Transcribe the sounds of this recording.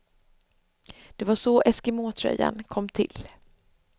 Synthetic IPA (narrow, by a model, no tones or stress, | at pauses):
d̪̥ɛvaʂɔʔɛskɪmoːt̪ʰɾœ̰jːa̰nkʰɔmːt̪ʰɪl